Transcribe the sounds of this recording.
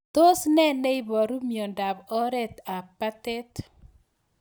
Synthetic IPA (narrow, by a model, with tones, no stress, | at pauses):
t̪o˦snɛ˦nɛ˦i˦bɔ˨ɾu˦mjɔ˨nda˨bɔ˦ɾɛ˦t̪a˨pːa˦tɛ˦t